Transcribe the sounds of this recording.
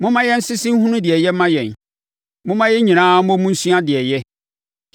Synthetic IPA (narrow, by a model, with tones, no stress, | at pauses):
mʊ̃˦mã˦jɛ˦n̩˦sɪ˦sĩ˦n̩˦hũ˦nʊ̃˦dɪ˨ɛ˨jɛ˦mã˦jɛ̃˨n | mʊ̃˦mã˦jɛ˦ɲĩ˨nãː˦mɔ̃˦mũ˦n̩˦su˦ã˦dɪ˨ɛ˨jɛ˦